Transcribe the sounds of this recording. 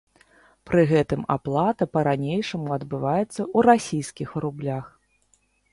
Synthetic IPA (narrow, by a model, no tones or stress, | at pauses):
pɾɨɣɛt̪ɨma̰plˠat̪ɐpɐɾanʲejʂɐmuɐd̪bɨvajɛt̪sːɐuɾasʲijskʲixɾublʲax